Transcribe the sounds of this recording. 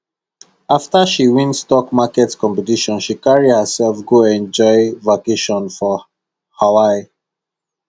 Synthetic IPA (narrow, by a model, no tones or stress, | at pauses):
aftaʃiwĩnstɔkmakɛtkɔ̃mpɛtiʃɔ̃nʃikaɹidhəsɛlfɡoɛ̃nd͡ʒɔɪvakeʃɔ̃nfɔ | hawaɪ